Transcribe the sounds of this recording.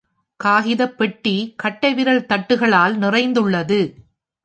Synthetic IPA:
kaːɣɪðɐpːɛʈːikɐʈːɐɪʋɪɾɐɭt̪ɐʈːɯɣɐɭaːlnɪrɐɪnd̪ɯɭːɐðɯ

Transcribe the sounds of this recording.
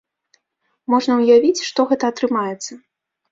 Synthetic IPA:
mɔʐnɐwjavʲit͡sʲʂt̪ɔɣɛt̪ɐːt̪ɾɨmajɛt̪sːɐ

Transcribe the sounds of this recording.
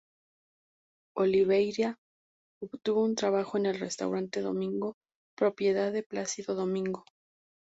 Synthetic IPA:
o̞liβejɾja | oβt̪uβount̪ɾaβaxo̞e̞ne̞lre̞st̪a̰wɾant̪e̞ðo̞̰mĩŋɡo̞ | pɾo̞pje̞ðaðe̞plasiðo̞ðo̞mĩŋɡo̞

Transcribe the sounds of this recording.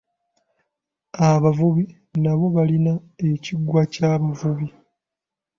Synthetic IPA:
aβavuβi | naβo̞βalinae̞ciɡwacaβavuβi

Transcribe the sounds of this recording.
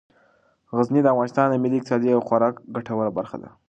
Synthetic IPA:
ɣaznid̪əavɣɑnɪst̪ɑnd̪əmɪliɪk̚t̪ɪsɑd̪iawxwaɾɑkɡaʈawəlabaɾxa̰d̪a̰

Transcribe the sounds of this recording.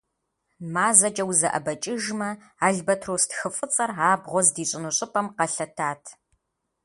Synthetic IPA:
maːzɐt͡ʃʼɐwzɐʔɐ̰bɐt͡ʃʼɪʒmɐ | aːɮbɐtʰroːstxɨfʼɨt͡sʼɐraːbʁʷɔzdiːɕʼɪnuɕʼɪpʼɐmqɐɬɐtʰaːtʰ

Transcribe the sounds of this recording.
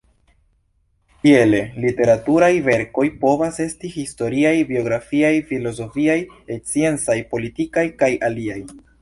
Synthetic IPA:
tiele̞lite̞ɾatuɾajve̞ɾko̞jpo̞vase̞stihisto̞ɾiajbio̞ɡɾafiajfilo̞zo̞fiajet͡sie̞nt͡sajpo̞litikajkajʔaliaj

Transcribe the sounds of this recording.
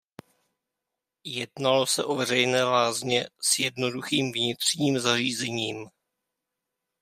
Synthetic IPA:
jɛdnalo̞sɛʔo̞vɛrɛjnɛːvaːzɲɛsjɛdno̞duxiːmvɲɪt̪r̝̥ɲiːmzariːzɛɲiːm

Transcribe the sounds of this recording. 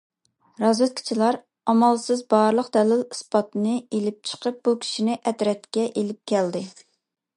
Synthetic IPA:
ɾɑzwɛt̪̚kʲʰi̥t͡ʃʰilˠɑɾ | ɑmɑlˠsɨzbɑɾlˠəqd̪ɛlɪlɨspɑt̪nɨelɪp̚t͡ʃʰə̥qʰəp̚bukʲʰi̥ʃinɪʔɛt̪ɾɛt̪kʲɛʔelɪp̚kʲʰɛld̪ɪ

